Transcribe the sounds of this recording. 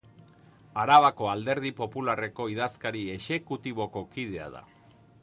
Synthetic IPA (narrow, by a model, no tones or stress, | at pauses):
aɾaβako̞ald̪e̞ɾð̞ipo̞pulare̞ko̞iðaskaɾie̞ʃe̞kut̪iβ̞o̞ko̞kið̞e̞a̰ða̰